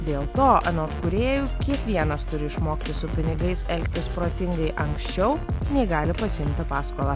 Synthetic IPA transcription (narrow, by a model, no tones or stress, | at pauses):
d̪ʲeːlˠt̪oːʔɐnoːt̪kuɾʲeːjuːkʲiɛkʋʲiɛnɐst̪ʊɾʲɪɪʃmoːkʲt̪ʲɪsʊpʲɪnʲɪɡɐɪsɛlʲkʲt̪ʲɪspɾoːt̪ʲɪŋɡɐɪʔɐŋksʲt͡ʃʲɛʊnʲɛɪɡɑːlʲɪpɐsʲɪɪmʲt̪ʲɪpɑːskoːlˠɑ